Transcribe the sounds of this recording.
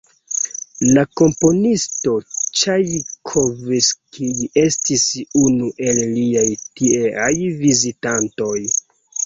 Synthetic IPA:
lako̞mpo̞nisto̞t͡ʃajkʰoviskʰie̞stisunuʔe̞lliajtieʔajvizitanto̞j

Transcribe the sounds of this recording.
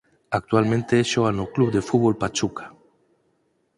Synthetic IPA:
ak̚t̪ualmẽnt̪eeʃoanoklubd̪efut̪bɔlpat͡ʃukḁ

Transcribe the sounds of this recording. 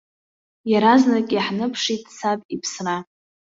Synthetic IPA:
jaɾaznakʲʼaħnɨpʰʂitʼsapʼipʰsra

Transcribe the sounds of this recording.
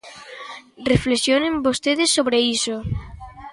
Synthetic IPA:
reflesjonẽmbost̪eðesːoβɾeiso

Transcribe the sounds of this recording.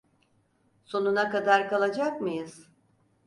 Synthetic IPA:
so̞nunakad̪aɾkalˠad͡ʒakmɯjɯz̥

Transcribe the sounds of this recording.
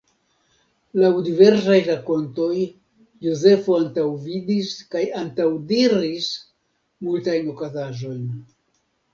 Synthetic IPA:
lawdive̞ɾs̬ajɾako̞nto̞j | joze̞foantawvidiskajantawdiɾis | multajno̞kazaʒo̞jn

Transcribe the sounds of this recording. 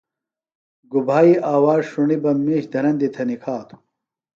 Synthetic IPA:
ɡubʱaːiʔaːwaːzʂuɳibɐmːiːɕd̪ɐnɐnd̪it̪ʰɐnikʰaːt̪ʰu̥

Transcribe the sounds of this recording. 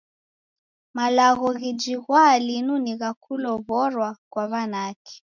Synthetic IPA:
malaɣɔɣid͡ʒiɣwalinuniɣakulɔβɔɾwakwaβanakɛ̥

